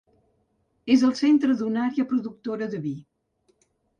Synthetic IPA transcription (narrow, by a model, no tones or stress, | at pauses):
ezəlˠsent̪ɾəðunaɾeəpɾuðuk̚t̪oɾəðəβi